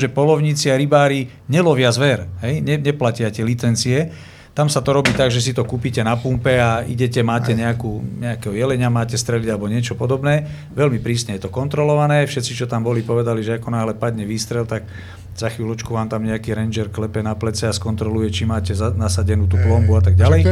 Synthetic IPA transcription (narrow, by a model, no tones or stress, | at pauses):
ʒɛpɔlɔʊɲit͡siaɾibaːɾi | ɲɛlɔʋɪazʋɛɾɦɛjɲɛɲɛplacɪacɛlit͡sɛnt͡siɛ | t̪amsat̪ɔɾɔbiːt̪aɡʒɛs̬it̪ɔkuːpicɛnapumpɛaḭɟɛcɛmaːcɛɲɛakuːɲɛakɛːɦɔjɛlɛɲamaːcɛst̪ɾɛliɟalɛbɔɲɪɛt͡ʃɔpɔd̪ɔbnɛː | ʋɛlmipɾiːsɲɛjɛt̪ɔkɔnt̪ɾɔlɔʋanɛːfʃɛt̪t͡sit͡ʃɔt̪ambɔlipɔʋɛd̪aliʒɛakɔnaːɦlɛpad̪ɲɛʋiːst̪ɾɛlt̪ak | z̥axʋiːlɔt͡ʃkuʋaːmt̪amɲɛakiːɾɛnd͡ʒɛɾklɛpɛnaplɛt͡sɛaskɔnt̪ɾɔlujɛt͡ʃimaːcɛzanasaɟɛnuːt̪uːplɔmbuat̪aɡ̚ɟalɛj